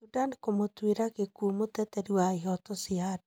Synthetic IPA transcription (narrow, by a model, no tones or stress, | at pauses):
sudankomotweɾakekumotɛtɛɾiwaɦɔtosiad